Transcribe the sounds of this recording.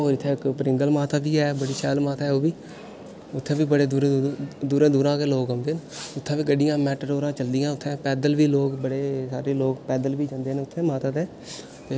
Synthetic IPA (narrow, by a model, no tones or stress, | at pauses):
oːɾɪt̪ʰːẽːkpɾɪ̃ŋɡəlmaːt̪ʰaːkiːɦɛːbəɽiːsɛːlmaːt̪ʰaːɦɛːoːbiː | ʊt̪ʰːẽːʋiːbəɽeːd̪uːɾed̪uːɾẽːd̪uːɾãːkeːloːkɦõːnd̪eːnʊt̪ʰːẽːʋiːɡəɖɪjãːmɛːʈəɾoːɾãːt͡ʃəld̪ijãːʊt̪ʰːẽːpɛːd̪əlʋiːloːkbəɽeːsaːɾeːloːɡpɛːd̪əlʋiːd͡ʒãːnd̪eːnʊt̪ʰːẽːmaːt̪aːt̪ẽː | t̪eː